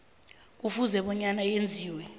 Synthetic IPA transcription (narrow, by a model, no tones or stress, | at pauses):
k̬ufuzɛɓɔɲanajend͡zʱiːwɛ